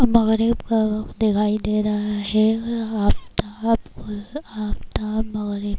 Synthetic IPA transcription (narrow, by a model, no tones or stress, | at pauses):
mɐɣɾɪbkad̪ɪkʰaːid̪eːɾaɦɛaːp̚t̪apkoaːpt̪amɐɣɾɪb